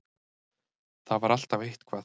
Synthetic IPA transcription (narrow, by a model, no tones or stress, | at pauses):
θavaɾal̥t̪avejht̪kʰvaː